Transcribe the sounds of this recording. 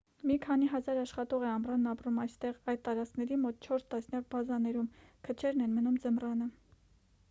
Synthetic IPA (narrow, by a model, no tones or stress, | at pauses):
mikʰɑniɦɑzɑɾɑʃχɑt̪ɔʁɛɑmrɑnːɑpɾumɑjst̪ɛʁɑjd̪̚t̪ɑɾɑt͡skʰnɛɾimɔt̪̚t͡ʃʰɔɾst̪ɑsnjɑk̚bɑzɑnɛɾumkʰət͡ʃʰɛɾnɛnmənumd͡zəmrɑnə